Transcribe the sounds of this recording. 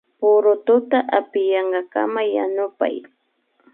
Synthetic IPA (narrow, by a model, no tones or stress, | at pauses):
pʊɾʊt̪ʊt̪aʔapɪjɑɴɢɑka̰majanʊpa̰j